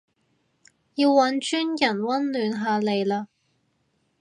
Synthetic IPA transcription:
ji˧wːɐ˨˧˥nt͡ʃyː˥njɐ˨˩nwɐ˥nlyː˨˧nɦaː˨le˨jlaː˧

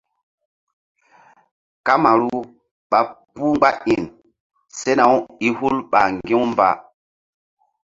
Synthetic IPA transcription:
ka˦ma˨ɾu˦ | ɓa˨pu˦ɡ͡ba˦ʔi˨n | se˦na˨wi˦hu˦lɓa˨ŋɡi˦wmba̰˨

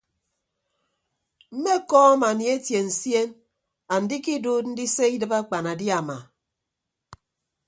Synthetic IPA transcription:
m̩˦me˦kɔː˦ma˨ni˨e˦tje˨n̩˨sje˦n | a˨n̩˨di˦ki˦duː˦t̚n̩˦di˦se˦i˦dɨ˦ba˦k͡pa˨na˨di˦a˨ma˨

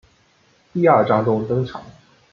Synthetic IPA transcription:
ti˥a˥˩ʈ͡ʂɑ˥ŋʈ͡ʂʊ˥ŋt̪ɤ˥ŋʈ͡ʂʰɑ̰˨˩˦ŋ

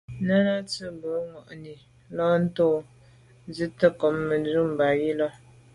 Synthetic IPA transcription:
nə˦ɾa˦tɨ˦˨bə˨˦ŋɔ˨ʔni˨ | lɔ˦n̩˦to˦˨˦ | zɨ˦tə˦kɔ˨mːə˨du˦m˨ba˨ji˦lɔ˦

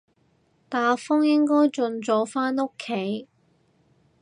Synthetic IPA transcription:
t̪aː˨˩fɔ˥ŋjɪ˥ŋkɔː˥jt͡ʃɵ˧nt͡sɔː˨˥faː˥no˥kʰːe˨˥j

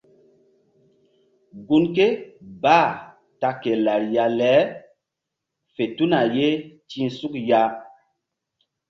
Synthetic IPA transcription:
ɡu˦nke˦baː˦˨ | ta˦ke˨la˨ɾja˨lɛ˨˦ | fe˨tu˦na˨je˦ti˦nsu˦kja˦

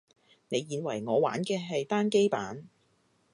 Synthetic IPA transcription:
ne˨˧jːiː˨˧nwɐ̰˨˩jŋɔː˨˧wa̰ː˨˥nkɛː˧ɦɐ˨jt̪aː˥nke˥jpaː˨˥n

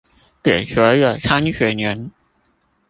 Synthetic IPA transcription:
t̪ɛ˨˩ɕɥɛ˧˥ə˨˩ʈ͡ʂʰa˥nɕɥɛ˧˥nɥɛ˧˥n

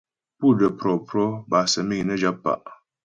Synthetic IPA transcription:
pu˦˨də˨pɾɔ˨pɾɔ˦ba˨sə˨mi˦ŋ˨nə˦d͡ʒa˦pːa̰˨ʔ

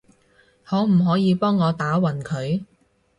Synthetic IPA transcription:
hɔː˨˥m̩˨˩ɦɔː˨˥jiː˨˧pɔː˥ŋːɔː˨˧t̪aː˨˥wɐ˨˩nkʰɵ˨˧ɥ

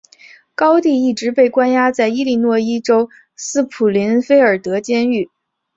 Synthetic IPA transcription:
kɑ˥ʊt̪i˥˧i˥˩ʈ͡ʂɻ̩˧˥pe˥˩ɪkwa˥nja˥t͡sa˥˩ɪi˥li˥˧nwɔ˥˩i˥ʈ͡ʂo˥ʊ | sɹ̩˥pʰu˨˩li˧˥nfe˥ɪə˞˨˩t̪ɤ˧˥t͡ɕjɛ˥ny˥˩

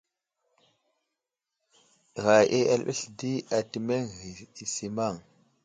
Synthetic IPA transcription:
ɣa˨ʔe˦ʔa̰˨lɓḭ˦ɬdi˦a˨ti˨me˦ŋɣi˨i˨si˨ma˦˨ŋ

